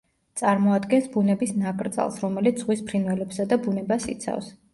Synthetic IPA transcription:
t̪sʼaɾmɔad̪ɡɛnsbunɛbisnakʼɾd̪zʼa̰lˠsɾɔmɛlit̪sz̥ʁwispʰɾinvɛlɛpsad̪abunɛbasḭt̪sʰa̰fs

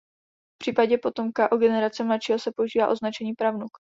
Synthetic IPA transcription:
fpr̝̥iːpaɟɛpo̞t̪o̞mkaʔoɡɛnɛɾat͡sɛmlatʃiːɦosɛpo̞uʒiːva̰ːʔo̞znat͡ʃɛɲiːpɾavnuk

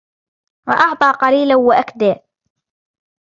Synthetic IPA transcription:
wɑ̰ʔɑʕt̪ˤɑːqɑliːlawaʔakd̪aː

